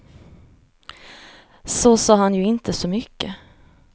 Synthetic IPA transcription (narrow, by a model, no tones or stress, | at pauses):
sosɑːɦanjɵɪnt̪ʰəsɔmʏkːə